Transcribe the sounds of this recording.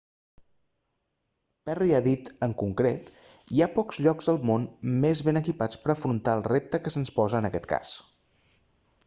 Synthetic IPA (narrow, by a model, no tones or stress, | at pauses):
pɛriaðit̪əŋkuŋkɾet̪iapɔkz̥ʎɔkzðəlˠmonmezβenəkipat͡spəɾəfɾunt̪aəlˠrep̚t̪əkəsənspɔzəːnəkɛt̪ka̰s